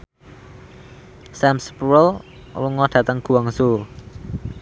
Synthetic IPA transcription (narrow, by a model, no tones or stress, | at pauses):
sɛmspuɾəl | wuŋɔɖ̥ä̤t̪əŋɡ̥ṳaŋsu